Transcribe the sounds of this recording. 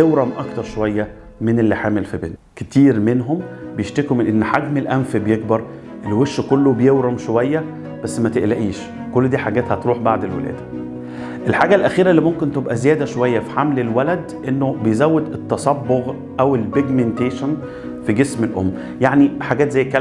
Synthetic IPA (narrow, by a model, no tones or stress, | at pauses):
ewɾɑmʔɑkt̪ɑɾˤʃowæjːæ | menelːiħaːmelfibḛnt̪ket̪iːɾmenɦombejeʃt̪ækumenʔenːħaɡmelʔæmfibejeɡbɑɾˤ | ʔelːweʃːkolːobejewɾɑmʃowæjːæ | b̥æsːmæt̪eʔlæʔiːʃ | kolːd̪iːħaɡæːt̪hæt̪ɾuːħbaʕd̪elwḛlæ̰ːd̪ | ʔelħaːɡælʔæxiːɾælːimomkent̪ebʔæzejæːd̪æʃowæjːæfi̥ħamlelwælæd̪ʔenːobejzæwːed̪et̪ːɑsɑbːoɣ | ʔæwelbeɡment̪eːʃæn | fiɡesmelʔo̰mː | jaʕniħaɡæːt̪zæjːkːæl